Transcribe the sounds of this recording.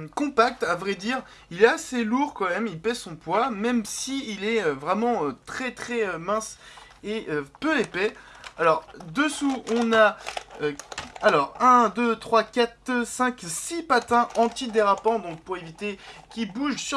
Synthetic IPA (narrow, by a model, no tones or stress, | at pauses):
kɔ̃pak̚t̪avʁɛd̪iʁ | ilɛaseluʁkɑ̃mɛmilpɛsɔ̃pwamɛmsiːlɛøvʁɛmɑ̃øt̪χɛt̪χɛømɛ̃s | eøpøepɛalɔʁd̪əsuɔ̃naøalɔʁɛ̃d̪øt̪χwakat̪sɛ̃ksipat̪ɛ̃ʔɑ̃t̪id̪eʁapɑ̃d̪ɔ̃k̚puʁevit̪ekʲilbuʒsy